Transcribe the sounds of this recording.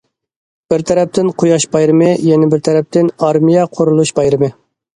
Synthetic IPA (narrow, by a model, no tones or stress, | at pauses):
b̥ɪɾt̪ʰɛɾɛp̚t̪ʰɪnqʰojɑʃbɑjɾɨmɨjɛnɪbɪɾt̪ʰɛɾɛp̚t̪ʰɪnɑɾmijɛqʰoɾulˠuʃbɑjɾɨmɨ